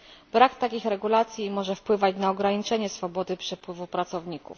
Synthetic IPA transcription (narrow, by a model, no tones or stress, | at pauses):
b̥ɾakt̪akʲixɾɛɡulat̪sʲjimɔʐɛfpwɘvat͡ɕnaɔɡɾaɲit͡ʂɛɲɛsfɔbɔd̪ɘpʂɛpwɘvupɾat̪sɔvɲikṵf